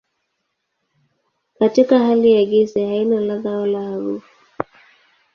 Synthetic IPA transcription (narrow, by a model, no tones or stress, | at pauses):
katikahalijaɡizɛhainalaɣaɔlahaɾufu